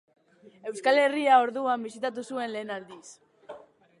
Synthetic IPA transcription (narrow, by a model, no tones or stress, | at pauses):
e̞wskale̞riao̞ɾðuambisit̪at̪̬usue̞nle̞ːnald̪is